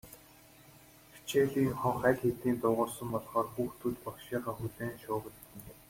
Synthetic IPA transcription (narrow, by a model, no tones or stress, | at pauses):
pʰt͡ɕʰeːɮiːŋχɔɴχæːkʲxet̪iːnt̪ʊːʁʊːrsə̆mpɔɮχɔːrxuːxt̪ʰuːt̪pɔkʃiːʁaːxut̪eːnʃʊːʁə̆ɮɘ̆n